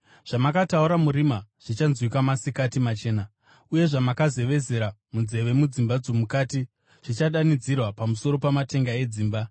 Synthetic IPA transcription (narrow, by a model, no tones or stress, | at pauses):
ʐ̥amakatauɾamuɾimaʐ̥it͡ʃanzwikamasikatimat͡ʃe̞ːna | uje̞ʐamakaze̞ʋe̞ze̞ɾamund͡ze̞ʋe̞mud͡zimbad͡zo̞mukaːti | ʐ̥it͡ʃaɗanid͡zirwapamuso̞ɾo̞pamate̞ŋɡae̞d͡ziːmba